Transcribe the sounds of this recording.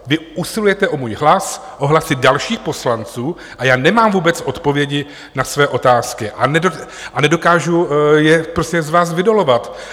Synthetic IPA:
vɪʔusɪlujɛt̪ɛʔo̞muːjɦlas | ʔo̞ɦlasɪdalʃiːxpo̞slant͡suː | ʔajaːnɛmaːmvuːbɛt͡sʔo̞t̪po̞vjɛɟɪ | nasvɛːʔo̞t̪aːskɪʔanɛdo | ʔanɛdo̞kaːʒujɛpɾoscɛzvaːs̬vɪdo̞lo̞vat̪

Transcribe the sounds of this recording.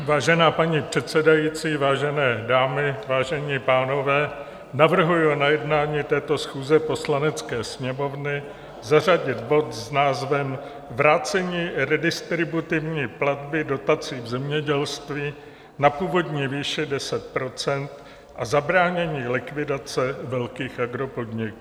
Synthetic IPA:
vaːʒɛnaːpaɲipr̥ɛt̪sɛdajiːt͡siːvaːʒɛnɛːdaːmɪvaːʒɛɲiːpaːno̞vɛː | navr̩ɦujunajɛdnaːɲiːt̪ɛːt̪o̞sxuːzɛpo̞slanɛt͡skɛːsɲɛmo̞vnɪ | zar̝aɟɪt̪bo̞t̪znaːzvɛm | vɾaːt͡sɛɲiːɾɛdɪst̪ɾɪbut̪ɪvɲiːplad̪bɪdo̞t̪at͡siːvzɛmɲɛɟɛlst̪viː | napuːvo̞dɲiːviːʃɛdɛsɛt̪̚pɾo̞t͡sɛnt̪ | ʔazabɾaːɲɛɲiːlɪkvɪdat͡sɛvɛlkiːxʔaɡɾo̞po̞dɲɪkː

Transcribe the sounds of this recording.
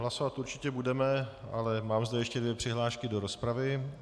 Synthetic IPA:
ɦlaso̞vat̪uɾt͡ʃɪcɛbudɛmɛa̰lɛmaːmzdɛjɛʃcɛdvjɛpr̥ɪɦlaːʃkɪdo̞ɾo̞spɾavɪ

